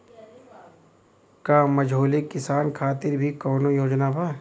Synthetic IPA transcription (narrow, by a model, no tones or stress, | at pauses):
kaːmɐd͡ʒʱoːlikːɪsaːnkʰaːt̪ɪɾbʱikɔːnojoːd͡ʒnabʱaː